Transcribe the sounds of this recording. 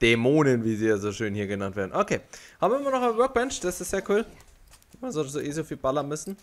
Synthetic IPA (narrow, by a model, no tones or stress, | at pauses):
d̥emoːnənviːziːjaːzoːʃøːnhiːɐɡənantv̥eɐdn̩ʔokʰeːhaːbm̩ɪɪmɐnɔχanvœɐk̚b̥ɛnʃd̥asɪstz̥eːɐkʰuːl | maszɔltszoʔeːzofiːlb̥alɐnmʏsn̩